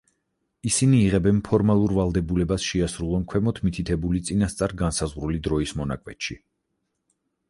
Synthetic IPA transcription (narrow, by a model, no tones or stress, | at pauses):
isiniːʁɛbɛnpʰɔɾmalˠuɾvalˠd̪ɛbulɛbasʃɛasɾulˠɔnkʰwɛmɔt̪ʰmit̪ʰit̪ʰɛbulit̪sʼinast̪sʼaɾɡansazʁɾulid̪ɾɔismɔna̰kʼwɛt̪ʃi